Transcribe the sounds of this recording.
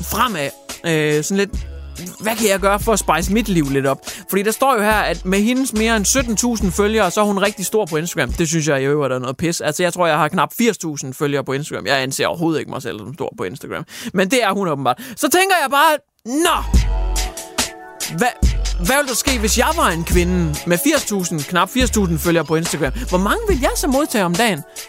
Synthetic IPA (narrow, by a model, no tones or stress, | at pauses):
fʁam̰æøsɒ̽n̩le̝d̥ʋækʰæjɑ̈ɪɡ̥ɶːɐfɒ̽æsb̥ɑ̈ɪsəmid̥liʊ̰le̝d̥ɒ̽b̥fɒ̽dḭːd̥ɑ̈sd̥ɒ̰ːjo̝hæɐ̰æd̥meɦe̝nsme̝ːɐensød̥n̩t͡sʰṵːsn̩føljɐːsɒæɐhunʁɛɡ̥̚d̥isd̥o̝ɐ̰pʰɒ̽e̝nsd̥ɐɡ̥ʁamd̥e̝s̬yns̬jɑ̈ɪeʊæɾ̥æɐnɔ̽ːð̩ˠpʰesælsəjɑ̈ɪt͡sʰʁo̝ɐ̰jɑ̈ɪhɑ̈kʰnɑ̈b̥fiɐ̰st͡sʰṵːsn̩føljɐːpʰɒ̽e̝nsd̥ɐɡ̥ʁamjɑ̈ɪænse̝̰ːɐɒ̰ɐo̝ːð̞̩ˠe̝ɡ̥əmɑ̈ɪsel̰sɒ̽msd̥o̝ɐ̰pʰɒ̽e̝nsd̥ɐɡ̥ʁæ̰mmend̥e̝æɐhunɔ̽bm̩bɑ̰ːd̥sɒ̽t͡sʰeŋɡ̥ɐjɑ̈ɪb̥ɑ̈ː | nɒ | ʋæʋæʋeld̥ɑsɡ̥e̝̰ːʋe̝sjɑ̈ɪʋɑ̈e̝nkʰʋe̝nəmefiɐst͡sʰṵːsn̩kʰnɑ̈b̥fiɐ̰st͡sʰṵːsn̩føljɐːpʰɒ̽e̝nsd̥ɐɡ̥ʁɛmʋɒmɑ̈ŋəʋe̝ljɑ̈ɪsɒ̽mːo̝ð̞ˠt͡sʰɛ̰ːɒ̽md̥ɛ̰ːn